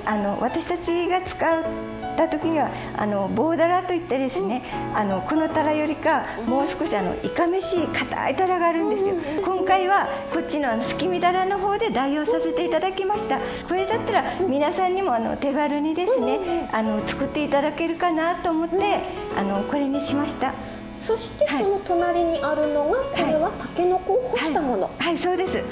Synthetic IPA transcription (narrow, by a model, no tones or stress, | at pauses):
ano̞βat̪aɕi̥t̪at͡ɕiɡat͡sɨ̥kaɯ | t̪at̪o̞kʲiɲ̟iβa | a̰no̞bo̞ːd̪aɾat̪o̞it̪ːe̞d̪e̞sɨne̞ano̞ko̞no̞t̪aɾajo̞ɾʲika | mo̞ːsɨ̥ko̞ɕiano̞̰ikame̞ɕikat̪a̰it̪aɾaɡaːɾɯ̟̃nd̪e̞sɨjo̞kõ̞ŋkaiβa | ko̞t͡ɕʲt͡ɕːino̞ano̞sɨ̥kʲimʲid̪aɾano̞ɦo̞ːd̪e̞d̪aiho̞ːsase̞t̪e̞it̪ad̪akʲimaɕi̥t̪a | ko̞ɾe̞d̪at̪ːaɾamʲinasãɲ̟ːimo̞ano̞̰t̪e̞ɡaɾɯ̟ɲ̟id̪e̞ssɨne̞ano̞t͡sɨ̥kɯ̟t̪ːe̞it̪ad̪ake̞ɾɯ̟kanat̪o̞ːmo̞t̪ːe̞ | a̰no̞ko̞ɾe̞ɲ̟iɕimaɕi̥t̪a | so̞ɕi̥t̪e̞aionot̪o̞naɾʲiɲ̟iʔaɾɯ̟no̞ɡakhoaiɾe̞βat̪ake̞no̞koːhohait̪amo̞no̞̰haiso̞ːd̪e̞sɨ